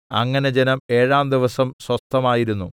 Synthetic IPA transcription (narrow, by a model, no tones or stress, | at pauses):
ɐ̰ŋːɐne̞d͡ʑenɐme̞ːɻaːmd̪iʋɐsɐmswɐst̪ːɐmaːjiɾunːu